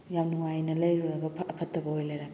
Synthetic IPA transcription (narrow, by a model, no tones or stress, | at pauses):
jawnuŋajnɐlɐjɾuɾɐbɐʔɐpʰɐtːɐbɐojlɐjɾɐ